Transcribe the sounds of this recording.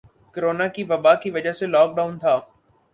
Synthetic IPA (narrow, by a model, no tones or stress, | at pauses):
kəɾoːnakiːʋɐbakiʋɐd͡ʒəɦselɔːk̚ɗaːʊ̃nt̪ʰaː